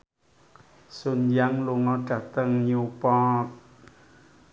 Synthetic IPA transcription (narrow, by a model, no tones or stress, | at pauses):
sunjaŋluŋɔdat̪əŋɲupɔt̪̚